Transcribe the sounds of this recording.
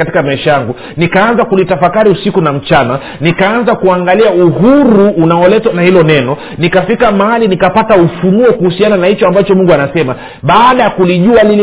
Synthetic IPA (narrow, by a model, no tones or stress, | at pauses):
ati̥kamaiʃajaŋɡu | nikaanzakulitafakaɾiusikunam̩t͡ʃana | nikaanzakuaŋɡaliauhuɾuːnaɔlɛtwanahilɔnɛnɔ | nikafikamahalinikapataufunuɔkuhusiananahit͡ʃɔambat͡ʃɔmuŋɡuanasɛma | ɓaːɗajakuliʄualilɛ